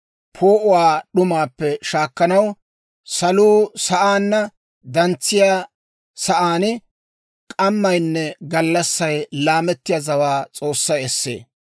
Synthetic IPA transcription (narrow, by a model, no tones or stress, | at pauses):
pʰoːʔʊwaːɗʊmaːpːɛʃaːkːɐnɐw | sɐluːsɐʔaːnːɐ | d̪ɐnt͡sːɪjaː | sɐʔaːnɪ | kʼɐmːɐjnːɛɡɐlːɐsːɐjlaːmɛt̪ːɪjazɐwaːt͡sʼo̞ːsːɐjɛsːḛː